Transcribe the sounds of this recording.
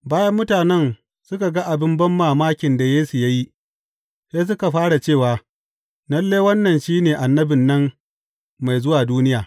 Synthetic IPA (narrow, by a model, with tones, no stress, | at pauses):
baː˦jɐ˦mːʊ˦taː˨nɛ˦n | sʊ˦ka˨ɡa˦ʔa˨bɪ˦mbɐ˦mːaː˨maː˦kʲɪ˨nda˨jeː˦su˨ja˦ji˦ | seː˦s̬ʊ˦ka˨ɸaː˦ɽa˨t͡ʃeː˦˨waː˨ | nɐ˦lːeː˦wɐ˦nːɐ˨nʃiː˦neː˨ʔa˨nːɐ˦bɪ˨nːɐ˦m | ma˨jzʊ˦waː˨duː˦nɪ˦jaː˨